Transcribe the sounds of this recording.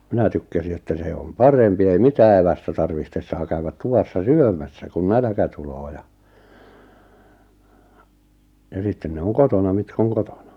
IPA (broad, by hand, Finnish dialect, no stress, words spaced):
minæ tykːæsi etːæ se om pɑrempi ei mitæː eʋæstæ tɑrʋihtes sɑː kæywæt tuʋɑsːɑ syømæsːæ kun nælæ̆kæ tuloː jɑ jɑ sitːen ne oŋ kotonɑ mitk oŋ kotonɑ